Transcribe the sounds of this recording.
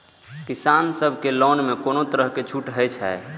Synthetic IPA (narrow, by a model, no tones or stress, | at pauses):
kisansəbʱkelɔnmekonot̪əɾəɦket͡ʃʰuʈɦəjt͡ʃʰɛ̰e